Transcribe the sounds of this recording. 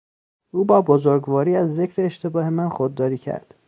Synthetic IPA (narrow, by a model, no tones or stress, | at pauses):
ʔuːbɒːbozoɾɡvɒːɾiːæzːecʰɾeːʃt̪ʰebɒːhe̞mænxod̪ːɒːɾiːcʰæ̰ɾd̪̥